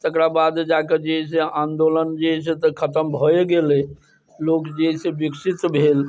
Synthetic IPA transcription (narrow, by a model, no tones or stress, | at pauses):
t̪əkɾabad̪d͡ʒaked͡ʒeɦeseãnd̪olənd͡ʒeɦset̪əkʰət̪əmbʱoɡele | lokd͡ʒeɦsebiksit̪bʱel